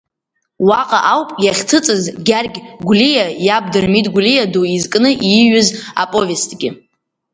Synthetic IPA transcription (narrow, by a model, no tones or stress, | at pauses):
waqʼaʔawpʼjaχʲtʰɨt͡sʼɨzɡʲarɡʲɡʷlijajab̚dɨrmitʼɡʷlijaduizkʼnɨʔiɥʊza̰pʼo̞ve̞stʼɡʲɪ